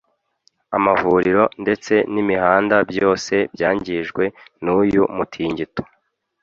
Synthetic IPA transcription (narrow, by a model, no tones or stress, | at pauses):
amavuɾiɾo̞nde̞t͡se̞nimihaːndabjo̞ːse̞bjaːɲɟiʒɡwe̞nujumutʰiːɲɟito̥